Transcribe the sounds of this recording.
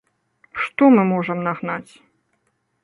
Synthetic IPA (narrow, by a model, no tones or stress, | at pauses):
ʂt̪ɔmɨmɔʐɐmnaɣnat͡sʲ